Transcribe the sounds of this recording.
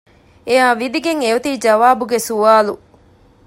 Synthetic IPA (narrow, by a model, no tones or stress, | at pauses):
ejaːʋid̪iɡeŋeut̪iːd͡ʒɐʋaːbuɡesuʋaːlu